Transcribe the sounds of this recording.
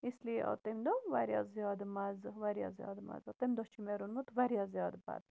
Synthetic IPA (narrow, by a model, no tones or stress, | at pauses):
isliʔo̰t̪emd̪oʋaɾja̰zjɑːd̪mazʋaɾja̰zjɑ̰d̪ma̰zɔt̪emd̪ot͡ʃʰimeɾunmut̪ʋaɾjazjɑːd̪ba̰d̪